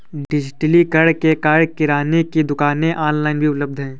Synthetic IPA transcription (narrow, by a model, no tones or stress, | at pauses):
ɖɪd͡ʒɪʈlikəɽkekaːɽkɪɾaːnekid̪ʊkaːnẽʔaːnlaːɪnbʱiʊpləb̚d̪ʱɦɛ̃ː